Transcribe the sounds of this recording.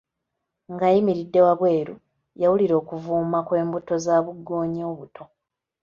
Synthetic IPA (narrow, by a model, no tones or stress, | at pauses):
ŋɡajimiɾidːe̞waβwe̞ːɾu | jawuliɾo̞ːkuvuːmakwe̞ːmbuto̞zaːβuɡːo̞ːɲio̞ːβutʰo̞